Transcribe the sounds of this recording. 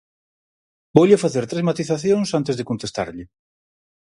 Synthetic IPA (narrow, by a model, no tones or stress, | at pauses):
bowʎɪfaθeɾt̪ɾezmat̪iθaθjoŋsant̪ɪzðɪkont̪est̪a̰ɾʎɪ